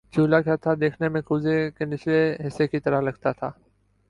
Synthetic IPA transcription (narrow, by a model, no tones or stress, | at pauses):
d͡ʒuːlakaːt̪ʰad̪eːkʰnemẽkʊzekenɪsleɦɪsekit̪ɐɾaɦlɐɡt̪at̪ʰaː